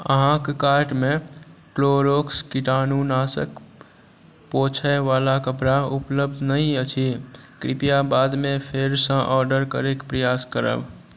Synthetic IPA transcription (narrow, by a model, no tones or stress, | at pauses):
ə̰ɦãkkaːɾʈmẽkloːɾoːkskiʈaːnunaːsə̰k | poːt͡ʃʰɛʋaːlakəpɾaʊpləb̚d̪ʱnəɦĩət͡ʃʰikɾɪ̰pijabaːd̪mẽpʰeɾsə̃ʔɔːɾɖəɾkə̰ɾekpɾəjaːskəɾə̰b